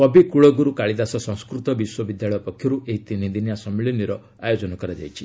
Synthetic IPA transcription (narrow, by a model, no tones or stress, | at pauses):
ɔbikuɭɔɡuɾukaɭid̪asɔsɔ̃ŋ̃skɾut̪ɔbiswɔbid̪jaɭɔjɔpɔkʰjɔɾuʔeɦit̪inind̪injasɔmiɭiniɾɔ | ajod͡ʒɔnɔkɔɾad͡ʒa̰jt͡ʃʰi̥